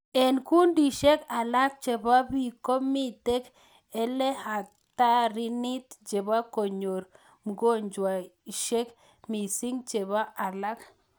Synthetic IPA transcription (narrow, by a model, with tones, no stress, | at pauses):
ɛ˨nku˦ndi˨ʃe˦ka˨la˦k̚t͡ʃe˨ba˦bi˦˨ko˦mi˦t̪e˦k | ɛ˦lɛ˦ha˨ | t̪a˦ɾi˦ni˦t̪t͡ʃe˨βa˦ko˨ɲo˨ɾ | m˨ɡo˦˨ɲd͡ʒwa˨i˨ʃe˦k | mi˨si˦ŋt͡ʃe˨βa˦a˨la˦k